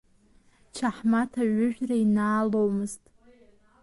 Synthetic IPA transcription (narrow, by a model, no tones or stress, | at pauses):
t͡ʃʰaħmatʰaɥʊʒᶣrainaːlowmɨztʼ